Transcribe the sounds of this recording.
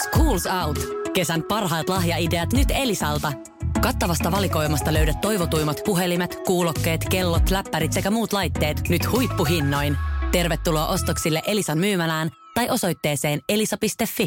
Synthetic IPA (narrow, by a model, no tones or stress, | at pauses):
skuːlsɑwt̪ke̞sænpɑrɦɑːt̪lɑɦjɑide̞ɑt̪nyt̪e̞lisɑlt̪ɑ | kɑt̪ːɑʋɑst̪ɑʋɑliko̞jmɑst̪ɑlø̞ɥdæt̪ːo̞jʋo̞t̪ujmɑt̪puɦe̞limet̪kuːlo̞kːe̞ːt̪ke̞lːot̪læpːæɾit̪se̞kæmuːt̪lɑjt̪ːe̞ːt̪nyt̪hujpːuɦinːo̞jnt̪e̞rʋe̞t̪ːuloːʔo̞st̪oksilːe̞ʔe̞lisɑnmyːmælæːn | t̪ɑjʔo̞so̞jt̪ːeːse̞ːne̞lisɑpist̪e̞fːi